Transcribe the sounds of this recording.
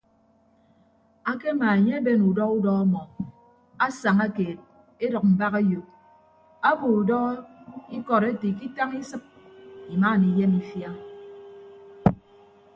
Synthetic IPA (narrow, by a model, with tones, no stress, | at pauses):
a˦ke˦ma˨e˨ɲe˦e˦be˦nu˨dɔ˦ɣu˦dɔ˦a˦mɔ˨ | a˦sa˨ŋa˦keː˨t̚ | e˦dɔ˨k̚m̩˨ba˦ke˦jo˨ | a˦bo˨u˨dɔ˦i˦kɔ˨ɾe˦ti˨k̬i˦ta˦ŋi˦sɨ˦k̚i˨ma˦˨ni˨je˦mi˨fja˦